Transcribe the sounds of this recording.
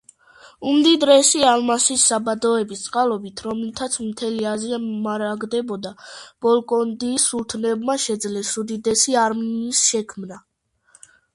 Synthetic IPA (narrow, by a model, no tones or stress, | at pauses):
umd̪id̪ɾɛsialmasisːabad̪ɔɛbist̪sʼqʼalˠɔbit̪ʰɾɔmlt̪ʰat̪sʰmt̪ʰɛliaziamaɾaɡd̪ɛbɔd̪ab̥ɔlˠkʼɔnd̪iːsult̪ʰnɛbmaʃɛd̪zlɛsud̪id̪ɛsiaɾminisʃɛkʰmna